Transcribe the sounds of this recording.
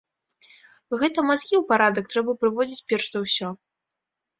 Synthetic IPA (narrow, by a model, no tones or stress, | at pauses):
ɣɛt̪ɐmaskʲiwpaɾad̪ɐk̚t̪ɾɛbɐpɾɨvɔd͡zʲit͡sʲpʲɛrʂzɐwsʲɔ